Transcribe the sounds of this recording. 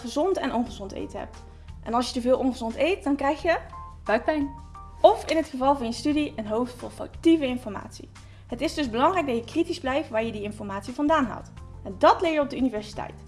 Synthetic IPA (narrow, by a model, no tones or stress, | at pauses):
əzɔntɛnɔnχəzɔntḛjtəɦɛ̰p̚t | ʔɛnɑlˠsjətəvɪːlˠʔɔnχəzɔntejt̚dɑnkrɛjxjə | bœt̚pɛjn | ɔfɪnɦətχəvɑlˠvʊːɹjəstydiənɦowftfʊːɹfɑ̰ktivəɪnfɔɹma̰ːtsḭ | ɦətɪzdɵzbəlɑŋrɛjɡ̚dɑjəkritizblɛjftʋaːɹjədiɪnfɔɹmaːtsivɑndaːnɦa̰wˠtɛndɑtlɪːɹjəɔb̚dəynivɛɹsitɛ̰jt